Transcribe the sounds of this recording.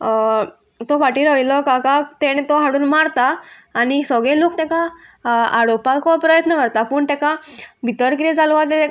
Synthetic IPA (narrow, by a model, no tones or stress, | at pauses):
t̪ɔfaʈiɾəilɔkakat̪eñet̪ɔɦaɽuːnmaɾt̪aːnisɔɡɭeluːkt̪ɛ̃ka | aɽopat̪kʰoppːɾəjət̪nəkəɾt̪apuːɳt̪ɛkabit̪əɾkɾiɛd͡zaluʋat̪et̪ɛ